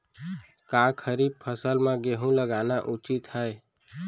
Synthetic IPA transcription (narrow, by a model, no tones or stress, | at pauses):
kakʰəɾib̚pʰəsəlmãɡeɦũləɡanaʔut͡ʃit̪həe